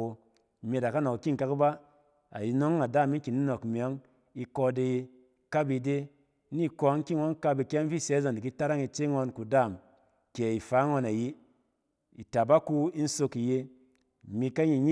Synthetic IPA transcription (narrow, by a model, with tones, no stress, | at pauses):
o˧˨ | mʲe˧˨da˨ka˦no˨kki˦ŋ̩˨ka˧kba˦ | a̰˨ji˧no˦ŋ˦a˨da˦˨mi˦ŋ̩˦ki˨ni˦no˨kmʲ˨ɔ˨˦ŋ | i˧kɔ˧de˧je˧ | ka˦bi˧de˦ | ni˦kɔ˧˦ŋ̩˦ki˦ŋo˦n˦ka˦bi˧kʲe˦n˦fi˦˨se˨˦za˨n˨di˨ki˦ta˦ɾa˦ŋi˧t͡ʃe˦ŋɔ˧nku˨da˦˨m | ke˨i˨fa˨˦ŋɔ˧na˨ji˦ | i˨ta˨ba˦ku˧i˦n̩˦so˧ki˨je˧˨ | mi˧ka˦ɲi˨˧ɲi˦